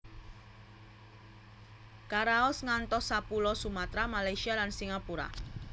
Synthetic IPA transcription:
kaɾaɔsŋant̪ɔsapulɔsumat̪ɾamalajsialansiŋapuɾa̰

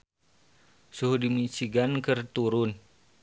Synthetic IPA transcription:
suhdimit͡ʃiɡankərt̪uɾʊn

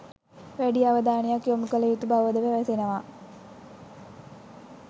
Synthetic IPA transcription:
ʋeɖijɐʋɐd̪aːɳijakjomukːɐlɐjut̪ːubɐʋɐd̪ɐʋeʋɐsenɐʋaː

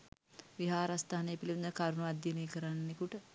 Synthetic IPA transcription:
ʋiɦaːɾast̪aːanejɐpiliʋund̪əkaɾunuʋad̪jɐnejkəɾanːekuʈə

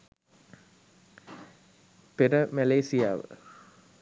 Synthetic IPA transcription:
peɾəmæleːsija̰ːʋə̰

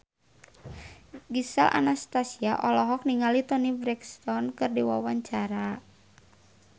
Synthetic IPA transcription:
ɡisa̰lʔa̰nast̪asiaʔɔlɔɦɔk̚niŋalit̪ɔnibɾɛkst̪ɔnkɨrdiwa̰waɲt͡ʃaɾa

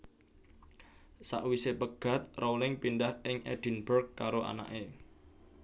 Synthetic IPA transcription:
sa̰ʔwisepəɡ̥a̤t̪̚rowlɪŋpindahɪŋʔɛ̰d̥ə̤nbərkkːaɾoʔa̰na̰ʔe

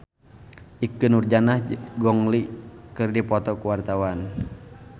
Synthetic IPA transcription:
ʔikɨnurd͡ʒanahɡɔŋlikɨrdipɔt̪ɔkuwart̪awan

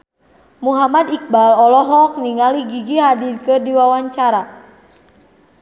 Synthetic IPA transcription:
muɦamadik̚balɔlɔɦɔk̚niŋaliɡiɡiɦadirkərdiwawaɲt͡ʃaɾa

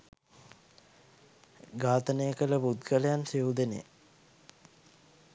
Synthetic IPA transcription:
ɡaːt̪ənejəkələbud̪ɡələjansiud̪enḛ

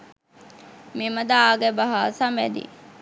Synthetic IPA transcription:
miməd̪aaːɡɛbaɦaːsamʋæd̪ḭ

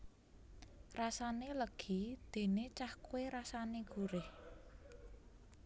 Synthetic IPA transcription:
rasaneləɡ̥id̪̥e̤net͡ʃahkweɾasaneɡ̥uɾɪh

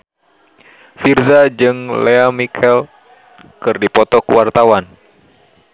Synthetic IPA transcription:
firzad͡ʒɨŋleamikʰɛl | kɨrdipɔt̪ɔkuwart̪awan

